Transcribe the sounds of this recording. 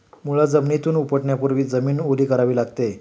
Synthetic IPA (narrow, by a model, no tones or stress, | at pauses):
muɭad͡zəmnit̪uːnupəʈɳjapuɾʋiːd͡zəmiːnoliːkəɾaʋiːlaɡt̪e